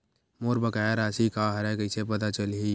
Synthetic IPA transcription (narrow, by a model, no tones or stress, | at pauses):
moːɾbəkaːjaɾaːsikaɦɐɾɛkəɪsep̬ɐt̪at͡ʃəlɦi